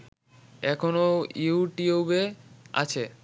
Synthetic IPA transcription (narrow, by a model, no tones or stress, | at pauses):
ɛkʰonouuʈiobea̰t͡ɕʰe